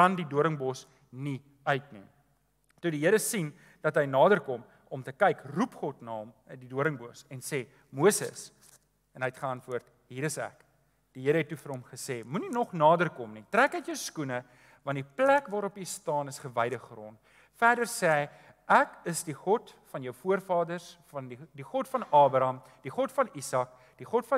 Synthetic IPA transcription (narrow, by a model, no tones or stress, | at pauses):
kɐndiduəɾəŋbɔs | ni | œɥtnḭ | tudiɦəɾəsin | d̥ɐtɦəjnɑːdərkɔm | ɔmtəkɛjkrupχɔtnɑːmdiduəɾəŋbosɛnseː | muəsə̰s | ɛnəjɛtχəɐntvuərt | ɦiːɾəsæ̰k | d̥iɦiəɾəɦɛtːufəɾɦomχəseːmuninɔχnɑːdərkɔmnitrækətjəwskunə | vɐndiplækvɑːɾɔpjəjstɑːnəsχəvɛjdəχrɔnt | fæːdərsɛːəj | ʔækəsdiχɔtfɐnjœwfuərfɑːdərsfɐnidiχɔtfɐnɑːbɾɐm | d̥iχɔtfɐnisɐk̚ | d̥iχɔtfɐ